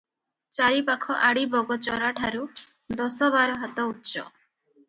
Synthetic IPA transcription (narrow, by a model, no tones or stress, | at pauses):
t͡ʃaɾipakʰɔʔaɽibɔɡɔt͡ʃɔɾaʈʰaɾu | d̪ɔsɔbaɾɔɦat̪ɔut̪ːt͡ʃɔ̰